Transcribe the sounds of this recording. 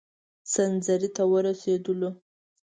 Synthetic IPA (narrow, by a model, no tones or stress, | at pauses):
sanzaɾit̪awəɾased̪əlo